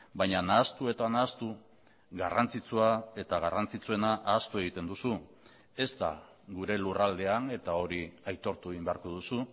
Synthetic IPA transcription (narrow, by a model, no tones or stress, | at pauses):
bajɲanaːst̪ue̞t̪anaːst̪u | ɣarant͡sit͡suae̞t̪aɣ̞arant͡sit͡sue̞naʔaːst̪ue̞ɣit̪e̞nd̪usu | e̞st̪a̰ | ɣuɾe̞lurald̪e̞ane̞t̪ao̞ɾiajt̪o̞ɾt̪ueɣimbeaɾko̞ðusu